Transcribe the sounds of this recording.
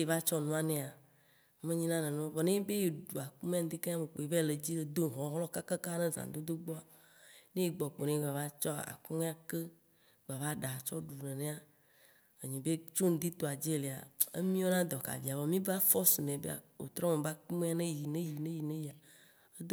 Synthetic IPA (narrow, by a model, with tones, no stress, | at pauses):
e˨va˦t͡ʃɔ˦nɔ̃˦a˦nẽ˨a˨˦ | mẽ˦ɲĩ˦nã˦nẽ˨nẽ˦o˦vɔ˨nẽ˦be˦je˨ɖu˨a˨ku˦mẽ˦a˨n˦d̪e˦ke˦ã˦˨me˨k͡po˨e˨ve˦˨le˨d͡ʑi˦le˨d̪o˦˨ɦɔ̃˨˦ɦlɔ˦ka˦ka˦ka˦nẽ˦zã̰˨˦d̪o˦d̪o˦ɡ͡bɔ˦a˨ | nẽ˦je˨ɡ͡bɔ˨k͡po˨nẽ˦ɡ͡ba˨va˦t͡ʃɔ˦˨a̰˨ku˦mẽ˦a˨ke˦ | ɡ͡ba˨va˦ɖa˨t͡ʃɔ˦ɖu˨nẽ˨nẽ˦a˨ | e˨ɲĩ˨be˦t͡ʃo˦n̩˨d̪i˦t̪o˨a˨d͡ʒe˦e˦˨le˨a̰˨ḛ˦mĩ˦o˦nã˦d̪ɔ˨ka̰˨vi˨a˨vɔ˨mĩ˦ba˦fɔ˦su˨nẽ˨bḛ˦a̰˨o̰˨t̪ɾɔ̃˦mẽ˨ba˦ku˦mẽ˦a˨nẽ˦ji˨nẽ˦ji˨nẽ˦ji˨nẽ˦ji˨a˨ | e˦d̪o˦